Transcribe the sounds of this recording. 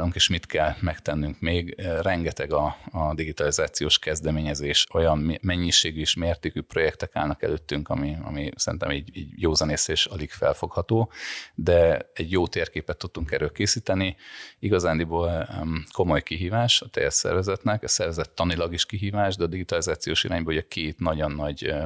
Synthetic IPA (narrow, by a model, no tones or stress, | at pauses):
luŋkeːʃmit̪kʰɛlmɛkt̪ɛnːyŋkmeːɡrɛŋɡɛt̪ɛɡɒːd̪iɡit̪ɒlizaːt̪sijoːʃkɛzd̪ɛmeːɲɛzeːʃojɒmːɛɲːiʃeːɡyeʃmeːrt̪eːkypro̞jɛkt̪ɛka̰ːlnɒkɛ̰løːt̪ːyŋkɒ̰miɒ̰misɛɾḭnt̪ɛ̰miːɟḭːɟjoːzɛneːseːʃɒliɡfɛ̰lfo̞khɒt̪oːd̪ɛɛɟjoːt̪eːrkeːpɛt̪ːut̪ːuŋkɛɾøːkeːsiːt̪ɛniiɡɒzaːnd̪iboːlko̞mo̞jkiɦiːvaːʃɒt̪ɛ̰jɛt̪sɛ̰rvɛzɛt̪nɛkɛsɛrvɛzɛt̪ːɒnilɒɡiʃkiɦiːvaːʒd̪ɛɒd̪iɡit̪ɒlizaːt̪sijoːʃiɾaːɲbɒluɟɛkʰeːt̪nɒɟonːɒɟ